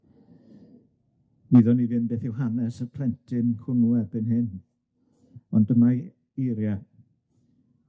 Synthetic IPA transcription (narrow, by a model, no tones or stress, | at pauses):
niðɔnivɨnbeːθɪwɦanɛsəpʰr̥ɛntʰɪnkʰʊnuɛbɨnɦɪn | ɔndəmaj | iɾja